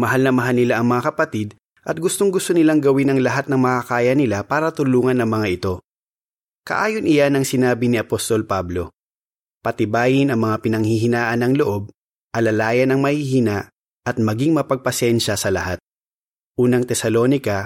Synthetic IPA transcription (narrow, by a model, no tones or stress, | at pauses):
mɐɦalnɐmɐɦalnɪlaʔɐŋmɐŋakɐpɐt̪id̪ | ʔɐt̪̚ɡʊst̪oŋɡʊst̪onɪlaŋɡɐwɪnɐŋlɐɦat̪̚nɐŋmɐkakaːjɐnɪlapaːɾɐt̪ʊluːŋɐnɐŋmɐŋaʔɪt̪o̞ | kɐ̰ʔaːjonʔɪjanɐŋsɪnaːbɪnɪɐpost̪o̞lpablo̞ | pɐt̪ɪbaːjɪnɐŋmɐŋapɪnɐŋhiɦɪnaːʔɐnɐŋloʔo̞b̚ | ʔɐlɐlaːjɐnɐŋmɐhihina | ʔɐt̪̚mɐɡiŋmɐpɐɡ̚pɐsɛnʃɐsɐlɐ̰hat̪̚ | ʔuːnɐŋt̪ɛsɐlo̞ːnɪkɐ